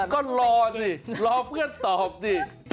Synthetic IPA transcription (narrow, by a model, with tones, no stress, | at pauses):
kɔ˨˦lɔ˧t̪i˨˩lɔ˨˧pka˦˥t̪o˨˩p̚zi˨˩